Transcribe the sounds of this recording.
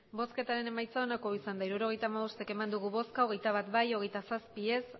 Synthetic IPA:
bo̞ske̞t̪aɾe̞ne̞majt͡sao̞nako̞isand̪aiɾuɾo̞ɣe̞jt̪amaβo̞st̪e̞ke̞mand̪uɣ̞uβo̞skaoɣe̞jt̪aβ̞at̪bajo̞ɣ̞e̞jt̪asaspie̞s

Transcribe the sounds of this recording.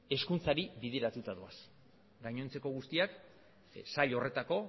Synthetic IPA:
e̞skunt͡saɾiβiðe̞ɾat̪ut̪aðoas | ɡaɲo̞nt͡se̞ko̞ɣ̞ust̪iak | saʎo̞re̞t̪ako̞

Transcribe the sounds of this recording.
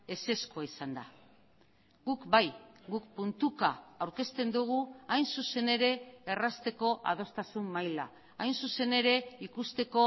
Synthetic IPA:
e̞se̞skuaisand̪a | ɡukbajɡukpunt̪ukaawɾke̞st̪e̞nd̪uɣ̞uajnsuse̞ne̞ɾe̞ːrast̪e̞ko̞ʔa̰ð̞o̞st̪asumːajla̰ | ajnsuse̞ne̞ɾe̞ikust̪e̞ko̞

